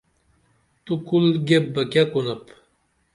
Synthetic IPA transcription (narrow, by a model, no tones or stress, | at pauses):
t̪ukulɡʲebːəkʲakunəp